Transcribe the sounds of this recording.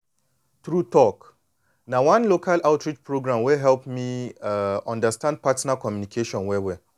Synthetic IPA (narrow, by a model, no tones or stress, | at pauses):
t̪ɾutʰɔk | nãwãnlokʰalaʊtɹit͡ʃpʰɹoɡɾãmwɛɦɛlpmĩaɔ̃ndəstãnd̚pʰatnakʰɔ̃mjunikʰeʃɔ̃nwɛwɛ